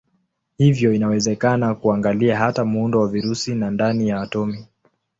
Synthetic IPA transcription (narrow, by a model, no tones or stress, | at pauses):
hivjɔinawɛzɛkanakuaŋɡaliaɦatamuundɔwaviɾusinandanijawatɔmi